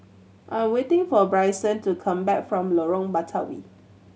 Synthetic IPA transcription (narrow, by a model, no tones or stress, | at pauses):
ʔãj̃mwetɪ̃ŋfɔbɹaɪsə̃ntukʰãmbɛkfɹɔ̃mlɔɹɔ̃ŋbatʰawḭ